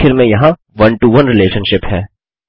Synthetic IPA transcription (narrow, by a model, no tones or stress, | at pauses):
ɪɾmẽjɐɦã | ʋɐnʈuʋɐnɾɪleːʃə̃nʃɪpɦɛː